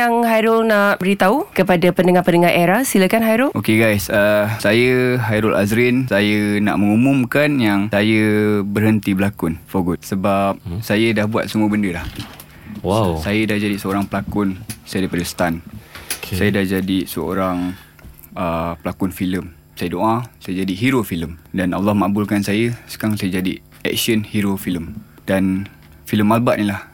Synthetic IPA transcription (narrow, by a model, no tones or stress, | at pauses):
jaŋhajɾʊlnaʔbəɾit̪aukəpadapənəŋahpənəŋaɾʔeɾasilakanɦajɾʊlʔokeɡajsəsajəɦajɾʊlʔa̰zɾinsajəna̰ʔmə̃ŋumumkanjaŋsajəbərhənt̪ibəlakʊnfoɡʊtsəbap̚sajədahbua̰t̪̚səmuəbəndəlah | wasajədahd͡ʒadisəoɾaŋpəlakʊnsajadaɾipadəsə̥t̪an | sajədahd͡ʒadisəo̰ɾaŋ | əpəlakʊnfiləm | sajədoʔasajəd͡ʒadiɦiɾofiləmdanʔa̰lːɔhmaʔbulkansajəsə̥kaɾaŋsajad͡ʒadi | ɛ̰k̚sənhiɾofiləm | dan | filəmːalbaʔnilah